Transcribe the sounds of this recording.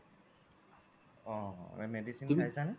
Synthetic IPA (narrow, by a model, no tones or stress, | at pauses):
ɔ̃ɛmɛdisinkajsanɛ